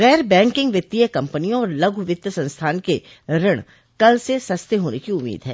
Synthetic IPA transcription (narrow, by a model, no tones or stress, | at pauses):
ɣɛːɾbɛ̃ːŋkɪ̃ŋɡʋjət̪ːijəkɐ̃mpənijõɔːɾlɐɡʱʋɪt̪jəsɐ̃nst̪ʰaːnke | ɾɪɽ̃ | kɐlsesɐst̪eɦoːnekiʊmːḭːd̪ʱɦɛ̰ː